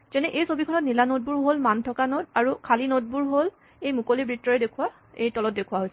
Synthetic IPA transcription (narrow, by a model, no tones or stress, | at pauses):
zɛnɛʔejsobikʰɔnɔtnilanod̚buɹɦolmantʰɔkanodaɹukʰalinod̚buɹɦol | ejmukolibɹitːɔɹɛdekʰuwa | ejtɔlɔt̚dekʰuwaɦojsɛ